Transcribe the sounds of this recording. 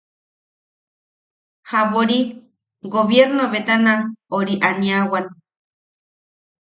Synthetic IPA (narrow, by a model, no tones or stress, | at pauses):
haβoɾi | ɡoβjeɾnoβet̪anaoɾiʔaniawan